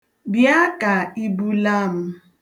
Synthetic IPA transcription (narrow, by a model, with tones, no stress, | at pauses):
bja˦ka˨i˦bu˦la˦m̩˦